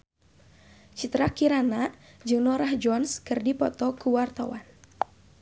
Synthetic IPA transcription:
t͡ʃit̪ɾakiɾanad͡ʒɨŋnɔɾahd͡ʒɔnskɨrdipɔt̪ɔkuwart̪awa̰n

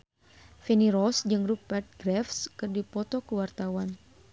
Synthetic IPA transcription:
feniɾɔsd͡ʒɨŋrupɛt̪̚ɡɾɛfskɨrdipɔt̪ɔkəwart̪awan

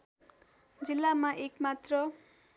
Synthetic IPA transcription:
d͡zilːamaʔekmat̪rʌ

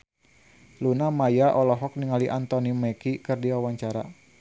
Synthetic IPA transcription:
lunamajaʔɔlɔɦɔk̚niŋaliʔant̪ɔnimɛkikɨrdiwawaɲt͡ʃaɾa̰

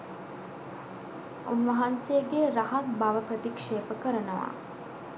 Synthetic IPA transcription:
unʋɐɦansejəɡeɾaɦat̪̚baʋəprət̪ikʂeːpəkəɾənəʋa̰

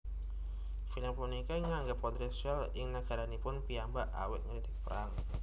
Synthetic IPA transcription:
filaŋpunikaŋaŋɡap̚ɔt̪ɾisal | ɪŋnaɡ̥a̤ɾanipʊnpiambaʔa̰wɪ̰t̪̚ŋəɾid̪̥i̥k̚pəɾaŋ

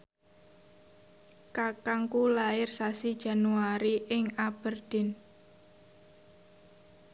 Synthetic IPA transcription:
kakaŋkulaɪrsasid̥ʒ̥a̤nuaɾiʔɪŋab̥ərd̪̥ɪ̤n

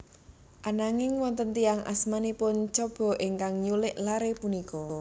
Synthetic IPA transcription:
ʔanaŋɪŋwɔnt̪ənt̪iaŋʔa̰smanipʊnt͡ʃɔb̥ɔ̤ʔɪŋkaŋɲulɪʔlaɾepunikɔ

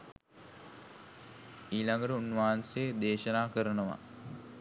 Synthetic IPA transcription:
iːlaŋɡəʈəunːʋaːansed̪eːʃɐnaːkəɾənəʋa̰

